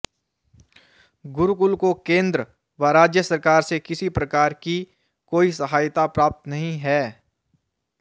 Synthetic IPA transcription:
ɡʊɾukʊlkokẽːnd̪ɾə | ʋaɾaːd͡ʒjəsɐɾkaːɾsekɪsipɾɐkaːɾki | koːisɐɦaːjt̪apɾaːp̚t̪nɐɦĩɦɛː

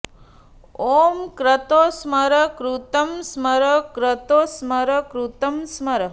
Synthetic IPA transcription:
oːmkɾɐt̪oːsməɾəkɾut̪ɐmsməɾəkɾɐt̪oːsmɐɾəkɾut̪ɐmsmɐɾə

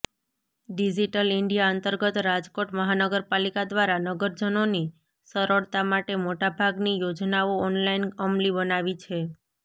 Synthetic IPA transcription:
ɖid͡ʒiʈəlɪɳɖijaənt̪əɾɡət̪ɾad͡ʒkoʈməɦanəɡəɾpalikad̪ʋaɾanəɡəɾd͡ʒənoni | səɾəɭt̪amaʈemoʈabʱaɡnijod͡ʒnaoɔnlainəmlibənaʋit͡ʃʰe

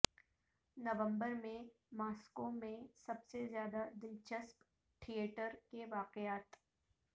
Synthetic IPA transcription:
nɐʋə̃mbəɾmẽ | maːskomẽsɐbsezjaːd̪ad̪ɪlt͡ʃəsp | ʈʰieːʈəɾkeʋaːqɪjaːt̪

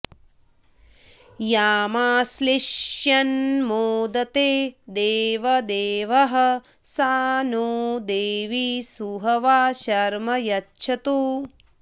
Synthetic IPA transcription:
jaːmaːsliʃjɐnmoːd̪ɐt̪eːd̪eːʋɐd̪eːʋɐɦɐ̆ | saːnoːd̪eːʋisuɦɐʋaːʃɐɾmɐjɐtːʃʰɐt̪uː

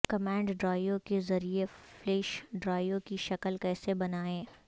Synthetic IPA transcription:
kɐmɛ̃ːɳɖɖɾaːjokezɐɾiefleːʃɖɾaːjokiʃɐkəlkɛːsebɐnaːẽː

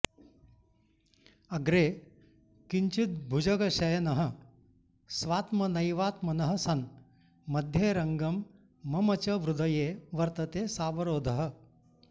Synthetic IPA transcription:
ɐɡɾeː | kiɲt͡ʃit̪̚bʱud͡ʒɐɡɐʃɐjɐnɐɦɐə̆ | sʋaːt̪mɐnɐjʋaːt̪mɐnɐɦɐ̆sɐn | mɐd̪ʱjeːɾɐŋɡɐmː | ɐmɐt͡ʃɐʋɾud̪ɐjeːʋɐɾt̪ɐt̪eːsaːʋɐɾoːd̪ʱɐɦə̆

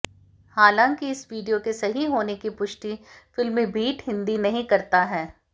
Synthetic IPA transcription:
haːlãːŋkiɪsʋiːɖijokesɐɦiɦoːnekipʊʃʈifɪlmẽbʱiːʈɦɪ̃nd̪inɐɦĩkɐɾt̪aɦɛː

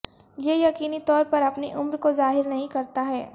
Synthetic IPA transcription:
jejɐkiːnit̪ɔːɾpɐɾɐpneʔʊmɾkozaːɦɪɾnɐɦĩkɐɾt̪aɦɛː

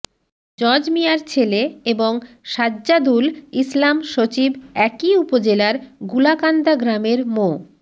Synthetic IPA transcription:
d͡ʑɔd͡ʑmijaɾt͡ɕʰeleeboŋ | ʃadːd͡ʑad̪ulislamʃot͡ɕibɛkiupod͡ʑelaɾɡulakand̪aɡɾameɾmo

